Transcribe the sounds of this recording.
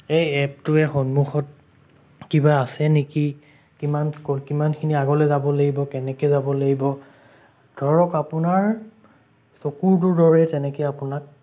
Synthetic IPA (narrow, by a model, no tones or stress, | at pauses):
ejɛp̚tʊɛxɔnmuxɔt̚ | kibaːsɛneki | kimankɔlkimankʰiniaɡɔlɛzabɔlaɡibɔkɛnɛkɛzabɔlaɡibɔ | d̥ʱɔɹɔkapʊnaɹ | sokuɹt̬uɹdɔɹɛtɛnɛkɛjapʊnak̚